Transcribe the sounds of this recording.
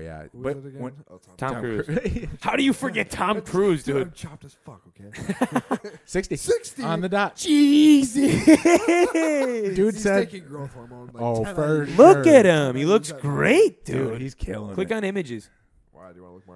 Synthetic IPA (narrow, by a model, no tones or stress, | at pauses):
b̥ʌt | tʰɑ̰̃mkʰɹ̥ʉ̰z̥haʊɾɨjɨfə˞ɡɛtʰɑ̃mkʰɹ̥ʉzdʉd̥̚ | sɪkstiɪksə̃nðɨdɑizi | dʉdsɛd | oʊlʊkɨt̚hɪ̃mhilʊksɡ̥ɹḛɪt̚d̥ʉ̰iz̥ʰkʰl̥ɪkn̩ɪ̃mɨd͡ʒɨz̥